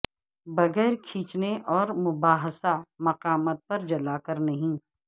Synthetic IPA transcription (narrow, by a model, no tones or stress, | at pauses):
bɐɡɛːɾkʰiːt͡ʃneʔɔːɾmʊbaːɦsamɐqaːmət̪̚pɐɾd͡ʒɐlaːkɐɾnɐɦĩː